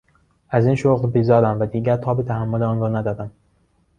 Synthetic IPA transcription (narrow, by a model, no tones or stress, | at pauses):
ʔæziːnʃoɣlbiːzɒːɾæmvæd̪iːɟæɾt̪ʰɒːbet̪ʰæhæmːoleɒːnɾɒːnæd̪ɒːd̪æm